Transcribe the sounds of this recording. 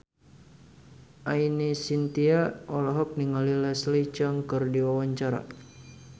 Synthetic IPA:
ʔainisint̪iaɔlɔɦɔk̚niŋalilɛslit͡ʃəŋkɨrdiwawaɲt͡ʃaɾa̰

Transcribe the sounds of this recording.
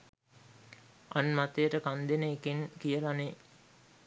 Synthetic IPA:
ʔɐnmat̪eɾəkand̪enəːkiŋkijəlane

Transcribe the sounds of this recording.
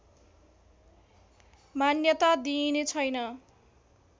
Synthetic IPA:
manjʌt̪ad̪inet͡sʰʌjnʌ

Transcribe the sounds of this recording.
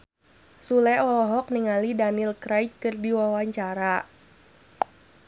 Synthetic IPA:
sulɛʔɔlɔɦɔk̚niŋalidanilkɾajt̚kɨrdiwawaɲt͡ʃaɾa

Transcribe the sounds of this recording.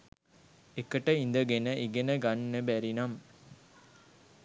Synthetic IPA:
ekəʈəind̪əɡenəʔiɡenəɡɐnːəbæɾinɐm

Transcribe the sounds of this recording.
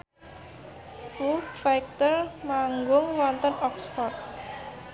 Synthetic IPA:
fufajk̚t̪ərmaŋɡʊŋwɔnt̪ənɔkspɔrt̪̚

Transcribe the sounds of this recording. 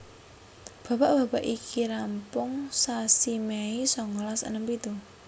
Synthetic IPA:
b̥ä̤b̥aʔb̥ä̤baʔikʰiɾampʊŋsasimeisɔŋɔlasə̰nəmpit̪u

